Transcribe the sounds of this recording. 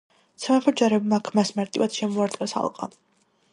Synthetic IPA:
t̪sʰɛmaχʰɔd͡ʒaɾɛbmakʰmasmaɾt̪ʼivad̪̥ʃɛmɔaɾt̪ʼqʼɛsa̰lˠqʼa̰

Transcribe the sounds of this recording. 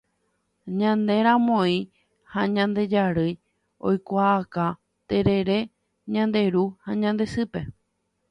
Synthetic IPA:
ɲãnd̪e̞ɾãmõĩ | haɲãnd̪e̞d͡ʒaɾɨj | o̰jkʷaːka | t̪e̞ɾe̞ɾe̞ | ɲãnd̪e̞ɾuhaɲãnd̪e̞sɨpe̞

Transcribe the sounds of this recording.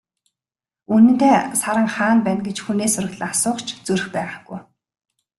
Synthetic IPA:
unɘ̆nt̪eːsaɾə̆ŋχaːnpæːnɡet͡ɕxuneːsʊrə̆ɮ̆asʊːχt͡ɕʰt͡sɵɾ̆xpæːʁaɡ̥uj

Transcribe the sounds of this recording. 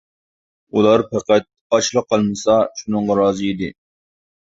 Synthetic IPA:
ulˠɑɾpʰæqæt̪̚ɑt͡ʃlˠəqʰːɑlˠmɨsɑʃunɨɴʁɑɾɑːzɨid̪ɪ

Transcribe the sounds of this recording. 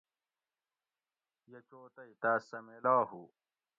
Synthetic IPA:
jɐt͡ɕoːt̪ɐit̪aːsɐmelaːhu

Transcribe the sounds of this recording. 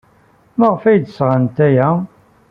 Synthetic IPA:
maʁfæjd̪əsʁant̪æjæ

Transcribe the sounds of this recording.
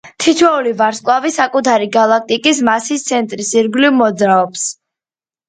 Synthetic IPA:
t̪ʰit̪ʰwɛulivaɾskʼwavisakʼut̪ʰaɾiɡalˠak̚t̪ʼikʼismasist̪sʰɛnt̪ʼɾisiɾɡlivmɔd̪zɾaɔps

